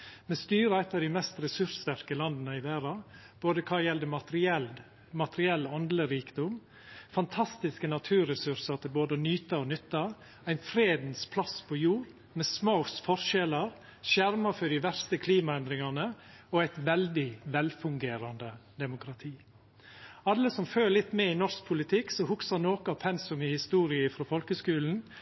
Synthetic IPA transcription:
mɛst̪yːɾəɛt̪ːɑd̪ɪmɛst̪ɾɛsʉɾst̪æɾkəlɑnd̪nəɪʋæːɾɑ | b̥oːd̪əkʰɑːjɛld̪əmɑɾɪɛl | mɑt̪əɾɪɛlːɔnd̪ləɾiːkd̪ʊm | fɑnt̪ʰɑst̪ɪskənɑt̪ʰʉːɾɛsʉɾsɑɾt̪ʰɪlboːd̪ənyːt̪ɑɔnʏt̪ːɑ | æɪnfɾeːd̪n̩spʰlɑspʰojuːɾ | mɛːsmaʊsfɔɾʃɛlɑɾ | ʃjæɾmɑfœɖɪʋæɾst̪əkʰliːmɑɛnd̪ɾɪŋɑnəɔæɪt̪ʋɛld̪ɪʋɛlfʉŋɡeːɾɑnd̪əd̪ɛmʊkʰɾɑt̪ʰiː | ɑlːəsɔmføːlɪt̪ːmɛɪnɔɾsk̚pʰʊlɪt̪ʰɪksɔhʊksɑɾnoːkəɑpʰɛnsʊmɪhɪst̪uːɾɪəɪfɾoːfɔlkəskʉːln̩

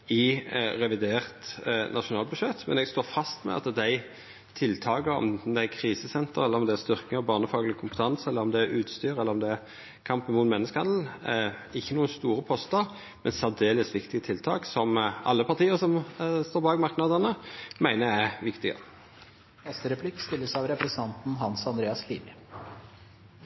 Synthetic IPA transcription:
ɪɾɛʋɪd̪eːʁt̪nʔɑʃʊnɑːlbʉʂɛt̪mɛ̰nɛɡst̪oːfɑst̪mɛ̰ɑ̰t̪d̪æɪ | t̪ʰɪlt̪ʰɑːkəɾɔ̰md̪ækʰɾiːsəsɛnt̪əɾɛlːəɾɔmd̪ɛæst̪ʏɾkɪɔbɑːʁnəfɑːɡlɪkʰʊmpə̥t̪ʰɑnsɛlːəɾɔmd̪ɛæɾʉːt̪st̪yːɾɛlːəɾɔmd̪ɛæ | kʰɑmpən̩muːt̪mɛnːəskhɑnd̪l̩ | ɪçːənuːənst̪uːɾəpʰɔst̪əɾ | mɛnsæʋd̪eːləsʋɪkt̪ɪət̪ʰɪlt̪ʰɑːksɔmɑ̰lːəpɑʁt̪ʰiːəʁsɔmst̪oːbɑːɡmɑɾknɑd̪ənəmæɪnəjæɪʋɪkt̪ɪɡə̰ | nɛst̪əɾɛpʰlɪkst̪ɪlːəsɑʋɾɛpɾɛsn̩ʰɑnt̪n̩ɦɑnsɑnd̪ɾeːɑskʰlḭːʋə

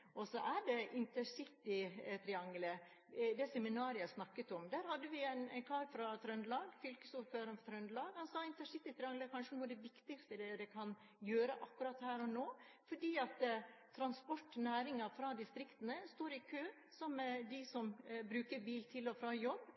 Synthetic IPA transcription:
ʔɔsɔʔæɖɛʔɪnt̪əʂɪt̪ːɪt̪ʰɾɪɑŋlə | d̪ɛsɛmɪnɑːɾɪəsnɑkːət̪ɔmd̪æːɾhɑd̪ːəʋɪæɪnæ̰ɪnkʰɑːɾfɾɑt̪ʰɾœnd̪lɑːɡfʏlkəsuɾføːɾəmft̪ʰɾœnd̪lɑːɡhɑnsɑːɪnt̪əʂɪt̪ːɪt̪ʰɾɪɑŋləkʰɑnʂənuːəɾd̪ɛʋɪkt̪ɪkst̪əd̪ɛd̪ɛkʰɑn | jøːɾəʔɑkːʉɾɑt̪hæːɾɔnoː | fɔɖiːɑt̪t̪ʰɾɑnspɔʈːnæːɾɪŋɑfɾɑd̪ɪst̪ɾɪkt̪ənəst̪oːɾɪkʰøː | sɔmd̪ɪsɔmbɾʉːkəɾbiːlt̪ʰɪlɔfɾɑːjɔbː

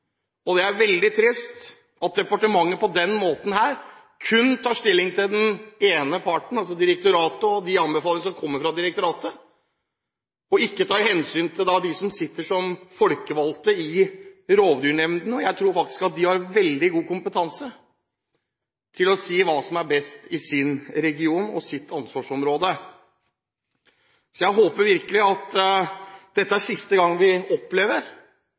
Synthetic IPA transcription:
ɔd̪ɛæɾʋɛld̪ɪt̪ʰɾɪst̪ | ɑt̪̚d̪ɛpɑʈəmɑŋːəpɔd̪ɛnmoːt̪n̩hæːɾ | kʰʉnt̪ʰɑːʂt̪ɪlːɪŋt̪ʰɪld̪ɛneːnəpʰɑʈɳ̩ɑlsɔd̪ɪɾəkt̪ʊɾɑːt̪əɔd̪ɪɑnbəfɑːlˠəŋəʂɔmkʰɔmːəɾfɾɑd̪ɪɾɛk̚t̪ʊɾɑːt̪ə | ɔɪkːət̪ʰɑːɾhɛnsyːnt̪ʰɪld̪ɑd̪ɪsɔmsɪt̪ːəʂɔmfɔlkəʋɑlt̪əɪɾoːʋd̪ʉːɳɛmnd̪nəɔjæɪt̪ʰɾuːɾfɑk̚t̪ɪ̥skɑt̪̚d̪ɪhɑɾʋɛld̪ɪɡuːkʊmpət̪ʰɑnsə | t̪ʰɪlɔsiːʋɑːsɔmæɾbɛst̪ɪsɪnɾɛɡɪuːnɔ̰sɪt̪ʰːɑnsʋɑːʂɔmɾoːd̪ə | sɔjæɪɦoːpəɾʋɪɾkəlɪɑt̪ | d̪̥ɛt̪ːəæsɪst̪əɡɑŋːʋɪɔpːleːʋəɾ

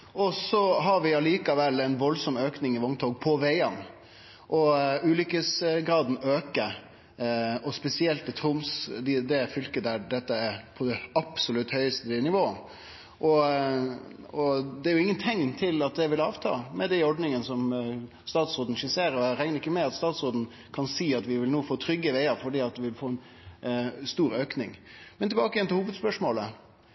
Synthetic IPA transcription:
ɔsɔɦɑɾʋɪɑliːkɑʋɛlːæɪnʋɔlsɔmøːknɪŋɪʋɔŋt̪ʰɔːɡpʰɔʋæɪɑn | ʔɔʉːlʏkəsɡɾɑːd̪n̩øːkə | ɔspɛsɪɛlt̪ːɪt̪ʰɾʊmsd̪ɪd̪ɛfʏlkəd̪æɖɛt̪ːəæɾpʰɔd̪ɛɑpsʊlʉt̪hœʏəst̪əɪnɪʋoːə | ʔɔ | ɔd̪ɛæɾjʊɪŋːənt̪ʰɛŋnt̪ʰɪlɑt̪̚d̪ɛʋɪlɑːʋt̪ʰɑ̰ːmɛd̪ɛɔɖnɪŋənsɔm | st̪ɑːt̪soːd̪n̩ʃɪseːɾɔæɾɛŋnəɾɪkːəmɛɑt̪st̪ɑːt̪sʁoːd̪n̩ | kʰɑnsiːɑt̪ʋɪʋɪlnoːfoːt̪ʰɾʏɡːəʋæɪɑfɔɖiːɑt̪̚d̪ɪʋɪlfoːɛn | st̪uːɾøːknɪ̰ŋmɛnt̪ɛlbɑːkəjɛnt̪ɪhuːʋəd̪spœʂmoːlə

